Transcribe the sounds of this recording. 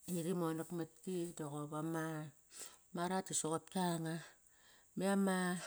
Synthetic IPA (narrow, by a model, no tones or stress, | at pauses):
iɾimonakmatkidoɣoβama | maɾatisokot̚kaŋa | meama